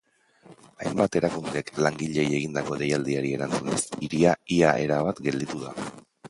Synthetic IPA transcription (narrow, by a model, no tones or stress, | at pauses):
ajmbat̪e̞ɾakund̪e̞klaŋɡiʎe̞je̞ɣind̪ako̞ðe̞jald̪iaɾie̞ɾant͡sunesiɾiaiaʔe̞ɾaβat̪ɡe̞ld̪it̪uða̰